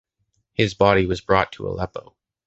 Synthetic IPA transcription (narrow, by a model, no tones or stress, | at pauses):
hɨzbɑɾiwʌzbɹɔtʰəə̰lɛpoʊ